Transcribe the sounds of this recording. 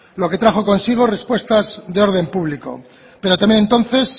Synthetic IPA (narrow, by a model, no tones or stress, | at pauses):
lo̞ke̞t̪ɾaχo̞ko̞nsiɣ̞o̞re̞spwe̞st̪azðe̞o̞ɾð̞e̞mpuβliko̞̰ | pe̞ɾot̪amenent̪o̞nθe̞s